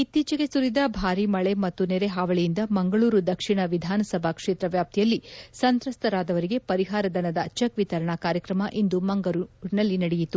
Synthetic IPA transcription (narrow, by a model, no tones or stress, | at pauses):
it̪ːiːt͡ʃɐɡe̞suɾid̪ɐbʱaːɾimɐɭe̞mɐt̪ːuneɾe̞ɦaːʋɐɭijind̪ɐmɐŋɡɐɭuːɾud̪ɐkʂiɳɐʋid̪ʱaːnɐsɐbʱakʂeːt̪ɾɐʋjaːp̚t̪ʰijɐlːisɐnt̪ɾɐst̪ʰɐɾaːd̪ɐʋɐɾiɡe̞pɐɾiɦaːɾɐd̪ɐnɐd̪ɐt͡ʃɐkʋit̪ɐɾɐɳakaːɾjɐkɾɐmɐʔind̪umɐŋɡɐɾuɾnɐlːinɐɽɛjit̪u